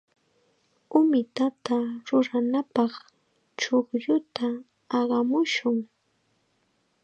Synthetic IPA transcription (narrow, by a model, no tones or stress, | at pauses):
ʊmɪt̪at̪aɾʊɾanapɑχ | t͡ʃoχʎʊt̪ʰaː | ɢɑmʊʃʊŋ